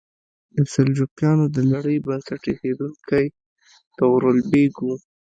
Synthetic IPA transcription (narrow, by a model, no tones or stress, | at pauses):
d̪əsɪld͡ʒukjɑnod̪əlaɽəjbansaʈexed̪uŋkʰaj | t̪əwɾolbeɡu